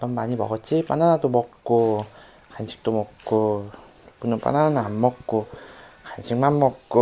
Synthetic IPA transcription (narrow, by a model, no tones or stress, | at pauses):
t͈ʌnmaɲimʌɡʌt̚t͡ɕ͈ipananadomʌk̚k͈o | kanɕʰi̥k̚t͈omʌkk͈ːo | ok͈unɯnp͈a̰nananaːnmʌkk͈okanɕʰiŋmanmʌkk͈o